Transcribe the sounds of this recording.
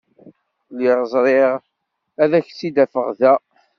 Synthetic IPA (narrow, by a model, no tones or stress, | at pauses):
liɾəzˤɾˤɪʁ | æðæçsid̪æfə̰ʁðæ